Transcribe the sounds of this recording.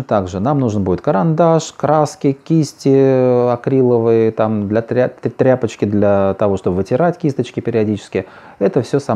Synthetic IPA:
t̪aɡʐɨnamnuʐɨnbudʲɪt̪̚kəɾɐnd̪aʂkɾaskʲɪkʲisʲtʲɪɐkɾʲilˠəvɨjt̪amd̪lʲɐt̪ɾʲat̪ɾʲapət͡ɕkʲɪd̪lʲɐt̪ɐvo̞ʂt̪o̞bəvɨtʲɪɾatʲkʲist̪ət͡ɕkʲɪpʲɪɾʲɪɐdʲit͡ɕɪ̥skʲɪj | ɛt̪əfsʲɵsa

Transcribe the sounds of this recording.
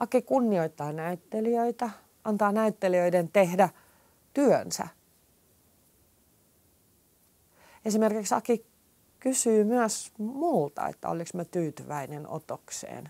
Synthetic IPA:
ʔɑkikunːioit̪ːɑːnæyt̪ːeliøit̪æ | ʔɑnt̪ɑːnæyt̪ːeliøident̪ehdæ | t̪yønsæ̰ | esimerkiksɑ̰ki | kysyːmyæsmuːlt̪ɑ̰ḛt̪ːæ̰o̰liksmøt̪yːt̪yʋæineno̰t̪oksḛːn

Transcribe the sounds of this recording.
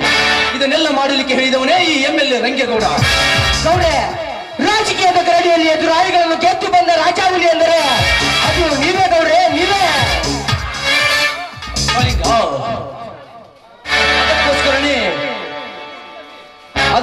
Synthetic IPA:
id̪ɐnɛlːɐmaːɽɐlikːeɦeːɭid̪ɐʋɐneːiːemːɛlːeɾɐŋɡjɐɡɐʋɽɐɡ̪ɐwɾe | ɾaːd͡ʒɐkijɐd̪ɐɡɐɾɐɽijɐlːied̪uɾaːjɐɡɐɭɐnːɐket̪ːubɐnd̪ɐɾaːd͡ʒaːʋuliɐnd̪ɐɾeɐd̪uniːʋeːd̪ɐʋɾeːniːʋeː | liɡɐ | ɐd̪ɐkːɦoːskɐɾɐni | ɐ

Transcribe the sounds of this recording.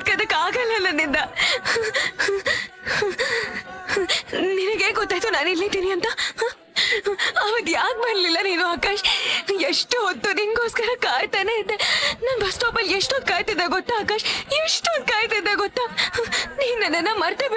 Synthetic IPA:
d̪kɐd̪ɐkːaːɡɐlːɐnːɐnind̪ɐ | ninɐɡeːɡɔt̪ːaːjt̪unaːnilːid̪iːniɐnt̪ɐh | ɐʋɐd̪jaːk̚bɐnlilːɐniːnuaːkaːʃeʂʈɦod̪ːuninɡoːskɐɾɐkaːjt̪aneid̪ːenaːnbʱɐsʈoːpɐleʂʈond̪̚kaːjt̪id̪eɡɔt̪ːaaːkaːʂeʂʈond̪̚kaːjt̪id̪eɡɔt̪ːa | niːnːɐnːɐnːɐmɐɾt̪eb

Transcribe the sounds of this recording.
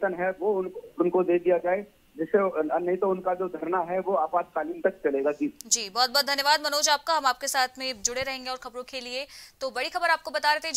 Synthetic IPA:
t̪ənɦɛʋoʊnʊnkod̪eːd̪ijad͡ʒaːe | d͡ʒɪseɐnːɐĩt̪oʊnkad͡ʒoːd̪ʱɐɾnaɦɛʋoaːpaːd̪̚kaːliːnt̪ɐkt͡ʃɐleːɡad͡ʒiːd͡ʒiːbɔːt̪̚bɔːt̪̚d̪ʱɐnjəʋaːd̪mɐnoːd͡ʒaːp̚kaɦɐmaːp̚kesaːt̪ʰmẽd͡ʒʊɽeɾɐɦẽːŋɡeɔːɾxɐbɾõkeliet̪oːbɐɽixɐbəɾaːp̚kobɐt̪aɾɛɦt̪eɦɛ

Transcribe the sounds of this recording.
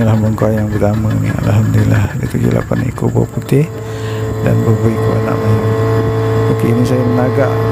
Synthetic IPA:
əlahməŋkajaŋbərt̪amənḭŋa̰ʔla̰lɦamd̪ulilahɡit̪uɡila̰panaikobo̰put̪ɪh | da̰nbəbəikuʔa̰na̰ʔmaɲam | okeinisajamənaɡaʔ

